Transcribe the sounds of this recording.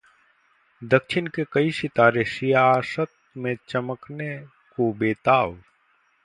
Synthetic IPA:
d̪əkʃʰɪnkekɐiʃɪt̪aːɾeʃijaːsət̪̚mẽt͡ʃɐməkne | kobeːt̪aːʋ

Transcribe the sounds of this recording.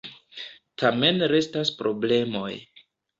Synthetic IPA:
tʰame̞nɾe̞staspɾo̞ble̞mo̞j

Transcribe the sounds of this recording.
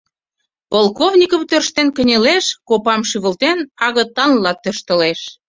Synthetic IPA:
polˠkovnʲikə̆mt̪ørʃt̪enkə̆nʲeleʃkopɑmʃyβə̆lt̪enɑɣə̆t̪ɑnlɑt̪ːøʃt̪ə̆leʃ

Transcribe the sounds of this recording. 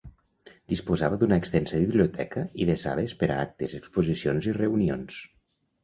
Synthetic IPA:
d̪ispuzaβəd̪unəːkst̪ɛnsəβiβliut̪ʰɛkəiðeza̰βespəɾaak̚t̪ezəkspuzisionzireunions

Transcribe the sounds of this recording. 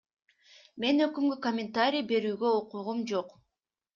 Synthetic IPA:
me̞nø̞kymɡykomʲɪnt̪aɾʲijbe̞ɾyːɡøoquʁumd͡ʒo̞q

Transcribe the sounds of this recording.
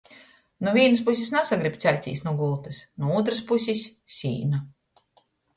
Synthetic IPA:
nuvʲiɛnɨs̬pus̬ʲisnasaɡɾibʲt̪sʲɛlʲt̪ʲḭːsnuɡulˠt̪ɨsnuuːt̪̬ɾɨspusʲisʲːḭːna

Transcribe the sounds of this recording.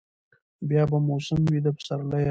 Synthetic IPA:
bjɑbamosəmwid̪apʰsaɾlaj

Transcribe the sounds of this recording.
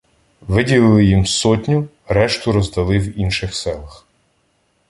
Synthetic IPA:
ʋɪdʲilˠɪlˠɪjimsɔtʲnʲʊ | ɾɛʃt̪ʊɾɔzd̪ɐlˠɪwinʃɪxsɛlˠɐx

